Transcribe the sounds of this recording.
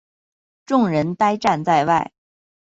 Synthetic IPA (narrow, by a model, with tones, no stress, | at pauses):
ʈ͡ʂʊ˥˩ŋɻə˧˥nt̪a˥ɪʈ͡ʂa˥˧nt͡sa˥˧ɪwa˥˩ɪ